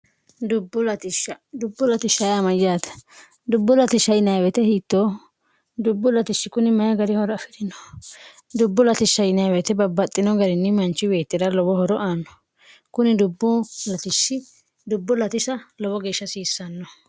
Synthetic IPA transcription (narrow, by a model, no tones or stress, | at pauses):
d̪ʊbːʊlɐt̪ɪʃɐ | d̪ʊbːʊlɐt̪ɪʃːɐjɐmɐd͡ʒaːt̪ɐ̥ | d̪ʊbːɔlɐt̪ɪʃːɐjɪnɐjwɛt̪ɛhiːt̪ːoː | d̪ʊbːʊlɐt̪ɪʃːɪkʊnɪmɐjɐɡɐɾɪhɔɾɔɐfɪɾɪnɔ̥ | d̪ʊbːʊlɐt̪ɪʃːɐjɪnɐjwɛt̪ɛbɐbːɐt̪ʼːɪnɔɡɐɾɪnːɪmɐnt͡ʃːɪbe̞ːt̪ːɪdɐlɔbɔhɔɾɔʔaːnːɔ̥ | kʊnɪd̪ʊbːʊlɐt̪ɪʃːɪ | d̪ʊbːʊlɐt̪ɪsɐlɔbɔɡe̞ːʃːɐsiːsːɐnːɔ